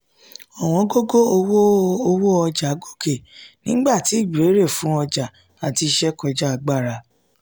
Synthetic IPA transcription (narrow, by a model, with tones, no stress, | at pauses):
ɔ˨w̃ɔ̃˧ɡo˦ɡo˦o˧wo˦o˧wo˦ɔ˧d͡ʒa˨˦ɡo˦˨kʰe˨nĩ˦ɡ͡ba˦˨ti˨˦˨ɡ͡bi˨ɾe˨˦ɾe˦˨fũ˨˦ɔ˧d͡ʒa˨ | a˨ti˧ʃɛ˦kɔ˧d͡ʒa˦a˧ɡ͡ba˦˨ɾa˧˨